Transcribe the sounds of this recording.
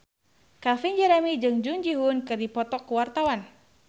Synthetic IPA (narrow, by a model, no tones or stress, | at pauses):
kafind͡ʒɛɾɛmid͡ʒɨŋd͡ʒuŋd͡ʒiɦunkɨrdipɔt̪ɔkuwart̪awan